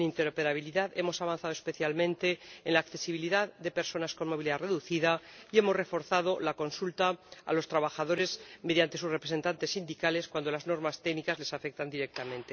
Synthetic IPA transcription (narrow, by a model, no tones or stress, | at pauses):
nint̪e̞ɾope̞ɾaβ̞iliðaðe̞mo̞saβanθað̞ospe̞θjalmẽ̞nt̪e̞ːnlaːkθe̞siβ̞iliðaððe̞pe̞ɾso̞nasko̞nmo̞β̞iliðare̞ðuθiðaie̞mo̞zre̞fo̞ɾθað̞o̞lako̞nsult̪aa̰lo̞st̪ɾaβaxaðo̞ɾe̞zme̞ðjant̪eusrepɾesent̪ant̪e̞sːind̪ikale̞skwand̪o̞lazno̞ɾmast̪e̞ɡnikazle̞safe̞k̚t̪and̪iɾek̚t̪amẽ̞nt̪e̞